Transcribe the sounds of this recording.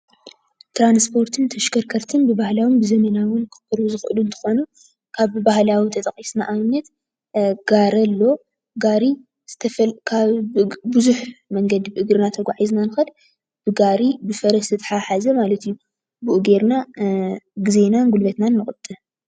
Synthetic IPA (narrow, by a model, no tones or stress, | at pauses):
t̪ɾanspʰo̞ɾt̪ʰɨnt̪ʰɐʃkʰɐɾkʰɐɾt̪ʰɨnbɨbahlawɨmbɨzɐmɐnawɨnkʰɨ̥pʰɐɾuzɨxɨʔɨlunt̪ʰɨ̥xo̞nu | kʰaβbahlawit̪ʰɐt̪ʼɐχʼisnaʔaβnɐt̪ | ɡ̥aɾɐlːo̞ | ɡaɾi | zɨt̪ʰɐfkʰabɨzuħmɐŋɡɐd̪ibɨʔɨɡɾɨnat̪ʰɐɡʷaʕiznanɨxɐd | b̥ɨɡaɾibɨfɐɾɐstɨt̪ʰʼħaħazɐmalɐt̪ijːu | bɨʔuɡeɾna | ɡɨze̞nanɡulbɐt̪nanːɨxʼɨt̪ʼːɨ